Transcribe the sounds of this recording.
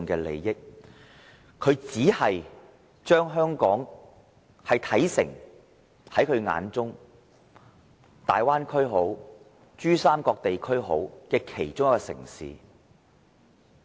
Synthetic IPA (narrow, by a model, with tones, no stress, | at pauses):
nkɛː˧lḛ˨˧jːɪ˥k̚ | kʰɵ˨˧ɥt͡siː˨˥hɐ˨j | t͡ʃœː˥ŋɦœː˥ŋkɔː˨˥ŋ | hɐ˨jt̪ʰɐ˨˥jsɪ˨˩ŋ | hɐ˨˥jkʰɵ˨˧ɥŋa̰ː˨˧nt͡sʊ˥ŋ | t̪a̰ː˨jwaː˥nkʰɵ˥ɥɦo˨˥w | t͡ʃyː˥saː˥mkɔː˧k̚t̪e˨jkʰɵ˥ɥɦo̰˨˥wkɛː˧kʰe˨˩jt͡ʃʊ˥ŋjɐ˥kɔː˧sɪ̰˨˩ŋsḭː˨˦